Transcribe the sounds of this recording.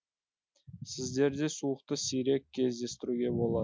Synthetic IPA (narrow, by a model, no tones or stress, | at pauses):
sɪzd̪e̞ɾd̪e̞suəq̚t̪əsijɾe̞kʲʰːe̞zd̪e̞st̪ɪɾuɡʲe̞bo̞lˠɑ